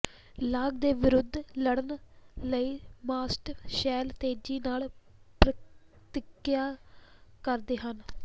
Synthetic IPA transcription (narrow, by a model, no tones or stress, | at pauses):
laːɡd̪eːʋɪɾʊd̪ʱːləɽənləiːmaːsʈʃɛːlt̪eːd͡ʒiːnaːlpɾə | t̪ɪkjaː | kəɾd̪eːɦən